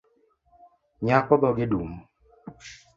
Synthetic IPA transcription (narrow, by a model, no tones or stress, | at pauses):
ɲakɔbɔɡɪdum